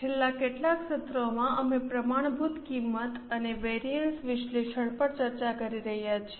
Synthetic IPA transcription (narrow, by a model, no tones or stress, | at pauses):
t͡ʃʰelːakeʈlakʃət̪ɾomãʔəmepɾəmaɳ̃bʱut̪kimːət̪əneʋeɾiəɳsʋɪʃleʃəɳpəɾt͡ʃəɾt͡ʃakəɾiɾəɦjat͡ʃʰe̥